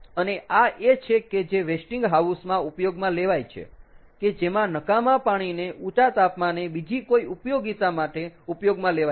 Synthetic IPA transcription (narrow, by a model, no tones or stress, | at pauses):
əneʔaʔet͡ʃʰeked͡ʒeʋesʈiŋɡɦausmãupjoɡmãleʋajt͡ʃʰḛked͡ʒemãnəkamãpaɽ̃ineʔut͡ʃat̪apmanebid͡ʒikoiupjoɡit̪amaʈeupjoɡmãlea